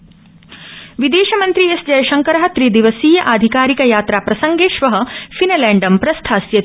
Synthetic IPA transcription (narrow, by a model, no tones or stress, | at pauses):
ʋid̪eːʃɐmɐnt̪ɾiesd͡ʒɐjɐʃɐŋkɐɾɐɦɐ̆t̪ɾiːd̪iʋɐsiːjɐʔaːd̪ʱikaːɾikɐjaːt̪ɾaːpɾɐsɐŋɡeːʃʋɐɦɐ̆finɐlæːɳɖɐmpɾɐst̪ʰaːsjɐ